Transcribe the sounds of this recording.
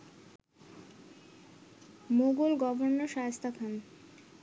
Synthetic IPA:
moɡulɡɔboɾnoʃaɦast̪ʰakʰan

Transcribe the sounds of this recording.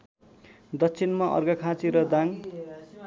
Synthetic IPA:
d̪ʌtːt͡sʰinmaʔʌ̰rɡʌkʰãt͡siɾʌd̪aŋ

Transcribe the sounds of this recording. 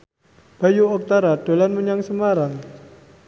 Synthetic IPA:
b̥a̤juɔk̚t̪aɾad̥o̤lanməɲaŋsəmaɾaŋ

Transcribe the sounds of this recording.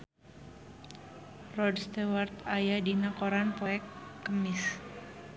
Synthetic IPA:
rɔdst̪ewart̪ajadinakoɾanpɔɛkːəmɪs

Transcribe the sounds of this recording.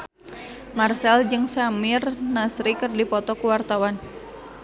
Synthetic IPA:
marsɛld͡ʒɨŋsamirnasɾikɨrdipɔt̪ɔkuwart̪awan

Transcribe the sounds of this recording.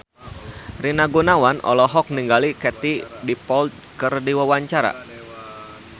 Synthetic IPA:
rinaɡunawanʔɔ̰lɔɦɔk̚niŋɡalikɛt̪idipɔlt̪̚ | kərdiwawaɲt͡ʃaɾa̰

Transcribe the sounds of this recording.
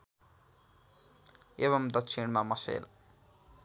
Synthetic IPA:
eβʌmd̪ʌksʰiɳmamʌsḛl

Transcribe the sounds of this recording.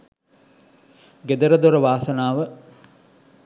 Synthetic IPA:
ɡed̪ɐɾəd̪oɾəʋaːsɐnaːʋə

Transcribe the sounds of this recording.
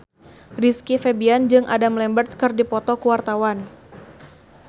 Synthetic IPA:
riskifebiand͡ʒɨŋʔa̰damlɛmbərt̪̚kɨrdipɔt̪ɔkuwart̪awan

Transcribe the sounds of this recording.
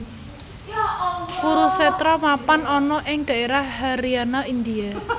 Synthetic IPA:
puɾusɛt̪ɾɔmapanɔnɔʔɪŋd̪̥ä̤eɾahɦaɾianaind̪ia

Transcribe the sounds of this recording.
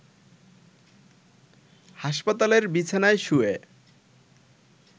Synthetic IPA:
haʃpat̪aleɾbit͡ɕʰanaeʃue

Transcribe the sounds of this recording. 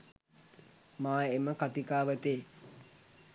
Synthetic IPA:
maːeməkat̪ikaːʋət̪eː

